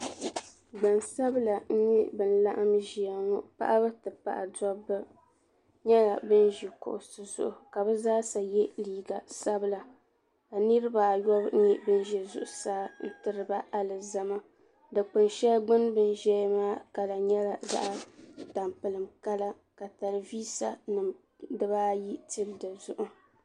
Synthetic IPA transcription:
ɡ͡ba˨nsa˦bla˨n̩˦ɲɛ˦bɨ˨n̩˦la̰˦ʔa˦mʒi˨a˨ŋɔ˦pa̰˦ʔa˦bɨ˦tɨ˨pa̰˨ʔa̰˨dɔ˦bːɨ˦ | ɲɛ˦la˨bɨ˦n˦ʒi˨kʊ̰˨ʔʊ˨sɨ˨zʊ̰˦ʔʊ˨ka˨bɨ˦zaː˦sa˨jɛ˦liː˦ɡa˨sa˦bɨ˦˨la˨ | ka˨nɨ˦ɾɨ˦ba˨jɔ˦b̩˦ɲɛ˦bɨ˦n˦ʒɛ˨zʊ̰˨ʔʊ˨saː˦n̩˦tɨ˦ɾɨ˦ba˦ʔa˦lɨ˨za˦ma˦ | dɨ˨k͡pɨ˨nʃɛ˦lɡ͡bɨ˦nbɨ˦n˦ʒɛ˦maː˦ka˨la˨ɲɛ˦la˨za̰˦ʔa˦ta˨mpɨ˨lɨ˨mka˦la˦ | ka˨ta˨lɨ˨viː˦sa˦nɨ˨m | dɨ˦baː˦ji˦ti˦ldɨ˨zʊ˦ʔʊ˦

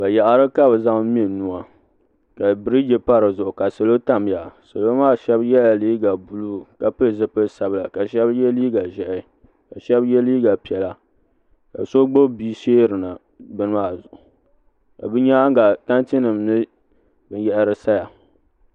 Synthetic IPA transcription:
ba˨ja˨ʔa˨ɾɨ˦ka˦bɨ˨za˦ŋ˦m˦i˨nu˨a˨ | ka˨bɨ˨ɾi˦d͡ʒe˦pa˦ɾɨ˨zʊ˨ʔʊ˨ka˨so˨lo˦ta˦mja˨so˨lo˦maː˦˨ʃɛ˦bjɛ˦la˨liː˦ɡa˨bu˨luː˦ka˨pɨ˦lɨ˨zɨ˦pɨ˦sa˨bla˨ka˨ʃɛ˦bjɛ˦liː˦ɡa˨ʒɛ˨ʔ | ka˨ʃɛ˦bjɛ˦liː˦ɡa˨pi˨ɛ˨la˨ | ka̰˨so˦ɡ͡bo˦biː˦ʃeː˦ɾɨ˨na˨ | bɨ˦nɨ˦maː˦˨zʊ˨ʔʊ˨ | ka̰˨bɨ˦ɲa˦ŋɡa˨ta˦nti˦nɨ˨mnɨ˦ | bɨ˨n˦jɛ˦ʔɾɨ˦sa˦ja˨

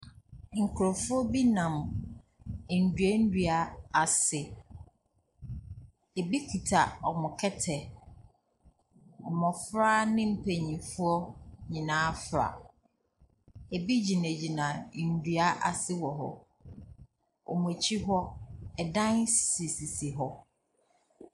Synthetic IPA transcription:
ŋ̩˨kʰʊ˨ɾɔ˨fʊ˦ɔ˦bi˦nã˨m˨ | n̩˨dɥe˦n̩˦dɥa˨a˨sɪ˨ | e˨bi˦kʰi˨tʰa˨ɔ˨mʊ̃˨kʰɛ˦tʰɛ˨ | ɔ˨mɔ̃˨fɾa˦nɪ̃˦m̩˦pʰe˨ɲĩ˨fʊ˦ɔ˦ɲĩ˨nãː˦fɾa̰˨ | e˨bi˦d͡ʑi˨næ̃˨d͡ʑi˨nã˨n̩˨dɥa˦ʔa˨sɪ˦wɔ˨ɦɔ̰˦ | ɔ̰˨mʊ̃˨e˨t͡ɕʰi˦ɦɔ˦ɛ˨dã˦nsi˨si˨si˨ɦɔ˦

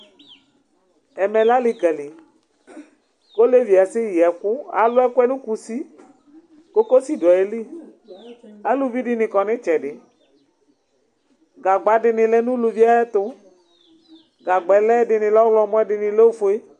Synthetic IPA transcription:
ɛ˨mɛ˨la˦lɪ˨kɛ˨lɪ˨ | ko˦le˦vi˨a˨sɪ˦jɛ˨kʊ˦a̰˨lʊ˦ɛ˦ku˦ɛ˦nũ˦ku˨si˦ | ko˦ko˦si˦dɔ˨e˨˦li˦ | a˦lu˨vi˦ɖɪ˦nɪ̃˨kɔ˨nɪ̃˦t͡ʃɛ˨ɖɪ˨ | ɡa˨ɡ͡ba˨˦ɖɪ˨nɪ̃˨lɛ˦nũ˦lu˨vi˦a˦ɛ˦t̪ʊ˦ | ɡa˨ɡ͡bɛ˨lɛ˦ɖɪ˨nɪ̃˨lɔ˦ɡlɔ˨mɔ̃˦ɛ˦ɖɪ˨nɪ̃˨le˦wo˦fo˦e˦

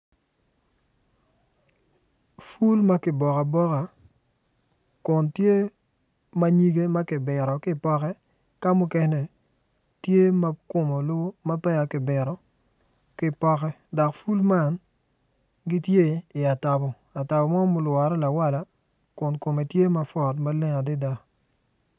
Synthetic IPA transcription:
fu˦lma˦kɪ˨bɔ˨ka˨bɔ˦ka˨ | kʊ˨ntje˦ | ma˦ɲi˦ɡe˦ma˦kɪ˨bɪ˨ɾɔ˨kɪ˦˨pɔ˦kɛ˦ | ka˦mʊ˦kɛ˦nɛ˨ | tje˦ma˦kʊ˨mo˨lʊ˦ma˦pɛ˦a˨kɪ˨bɪ˨ɾɔ˨ | kɪ˦pɔ˦kɛ˦ | dɔ˨kfu˦lma˦˨n | ɡɪ˦tje˦ɪ˨a˨ta˨bɔ˨ | a˨ta˨bɔ˨mɔ˦mʊ˨˦lwɔ˨ɾɛ˦la˨wa˦la˨ | kʊ˨nko˨me˨tje˦ma˦fɔ˨tma˦lɪ˦ŋa˨dɪ˦da˦

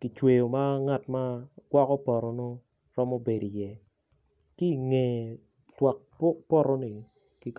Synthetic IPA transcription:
ki˨t͡ʃwe˨jo˨ma˦ŋa˦˨tma˦ɡ̥wa˦kɔ˦pɔ˨ɾɔ˨no˦ | ɾɔ˦mo˦be˨di˨jɛ˨ | ki˦˨ŋe˨ | twa˨k̚pɔ˦˨ɾɔ˦ni˨ | ki˨k

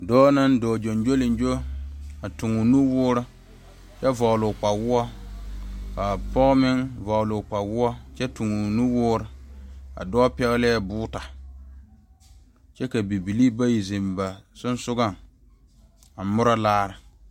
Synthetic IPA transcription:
dɔː˦na˦ndɔː˨d͡ʒo˨nd͡ʒo˦lɪ˨n˦d͡ʒo˦a˨tu˨ŋu˨nu˦wʊː˦ɾɪ˦ | t͡ʃɛ˦vɔ˨ɣlʊ˨k͡pa˨wʊ˦ɔ˦ | ka˨pɔ˦ɣmɪ˦ŋvɔ˨ɣlʊ˨k͡pa˨wʊ˦ɔ˦t͡ʃɛ˦tu˨ŋu˨nu˦wʊː˦ɾɨ˨a̰˨dɔː˦pɛ˦ɣlɛ˦bʊː˦ta˨ | t͡ʃɛ˦ka˨bi˨bi˨li˦ba˦ji˨zi˨mba˨sʊ˦n˦sʊ˦ɡa˦˨ŋ | a˨mʊ˦ɾa˦laː˦ɾɨ˨

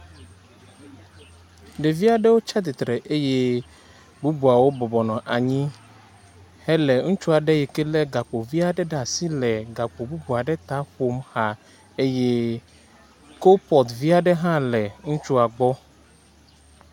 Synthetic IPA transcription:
ɖe˨vi˦a˨ɖɛ˦wo˦t͡ʃa˦t̪̬i˨t̪ɾɛ˨ʔe˦je˦ | bu˦bu˨a˨wo˦bɔ˨bɔ˨nɔ̃˨ʔa˨ɲĩ˦ | hɛ˦lɛ˨ŋũ˦t͡ʃu˦a˨ɖɛ˦jɛ˨kɛ˦lɛ˦ɡa˨k͡po˨vi˦a˨ɖɛ˦ɖa˨si˦lɛ˨ɡa˨k͡po˨bu˦bu˨a˨ɖɛ˦t̪a˦ɸo˦mha˨ | e˦je˦ | ko˦pɔ˨t̪vi˦a˨ɖɛ˦ɦã˦lɛ˨ŋũ˦t͡ʃu˦a˨ɡ͡bɔ˦

